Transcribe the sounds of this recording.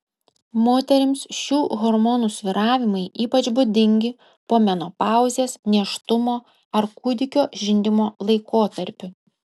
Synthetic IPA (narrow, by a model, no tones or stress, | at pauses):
moːt̪ʲɛɾʲɪmsʃʲuːɣɔɾmɔnuːsʲʋʲɪɾɑːʋʲɪmɐɪʔiːpɐt͡ʃbʊd̪ʲɪŋʲɡʲɪ | poːmʲɛnoːpɑˑʊzʲeːsnʲɛʃt̪ʊmoː | ɐɾkʊd̪ʲɪkʲoːʒʲɪnʲd̪ʲɪmoːlˠɐɪkoːt̪ɐɾʲpʲʊ